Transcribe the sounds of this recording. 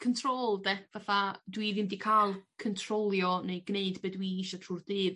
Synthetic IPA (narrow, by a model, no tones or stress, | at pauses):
kʰəntʰroːlˠdɛvaθadwivɨmdikʰaːlˠkʰəntʰrolˠjɔnejɡneɨdbɛdwiiʃɔtʰruːrðɨːð